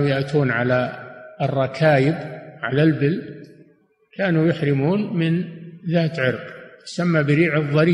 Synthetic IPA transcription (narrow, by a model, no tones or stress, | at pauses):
jaʔt̪ʰuːnʕalaɨrˤːɑkʰaːjɪbʕalalbɪl | kʰaːnujʊħɾɪmuːnmɪnðaːt̪ʕɪɾqt̪ʊ̥samːabɪɾiːʕɨðˤːɑɾiː